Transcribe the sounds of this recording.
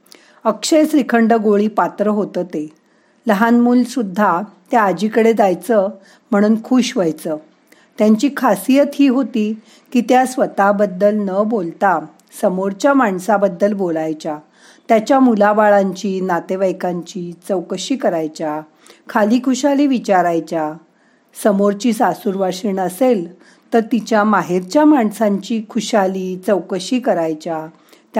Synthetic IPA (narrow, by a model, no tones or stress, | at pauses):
əkɕəjsɾikʰəɳɖəɡoɭiːpat̪ɾəɦot̪ət̪e | ləɦanmuːlsud̪ʱːat̪jaːd͡ʑiːkəɽed͡zajt͡sə | m̤əɽ̃uːnkʰuɕʋəjt͡səː | t̪jaɲt͡ɕiːkʰasijət̪ɦiːɦot̪iː | kiːt̪jasʋət̪abəd̪ːəlnəbolt̪a | səmoɾt͡ɕjamaɳsabəd̪ːəlbolajt͡ɕa | t̪jat͡ɕjamulabaɭaɲt͡ɕiːnat̪eʋəjkãɲt͡ɕiːt͡səwkɕiːkəɾajt͡ɕa | kʰaliːkʰuɕaliːʋit͡ɕaɾajt͡ɕa | səmoɾt͡ɕiːsasuɾʋaʂəɳəsel | t̪əɾt̪it͡ɕjamaɦeɾt͡ɕjamaɳsãɲt͡ɕiːkʰuɕaliːt͡səwkəɕiːkəɾajt͡ɕa | t̪